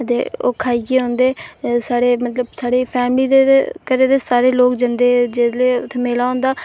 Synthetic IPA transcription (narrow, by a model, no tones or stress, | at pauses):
ət̪ḛːo̰ːkʰaːiɡeːɦõːnd̪eːsaːɽeːmət̪ləbsaːɽeːpʰɛːmliːd̪ekəɾeːd̪eːsaːɾeːloːkd͡ʒənd̪eːd͡ʒeːleːt̪ʰmeːlaːɦõːnd̪aː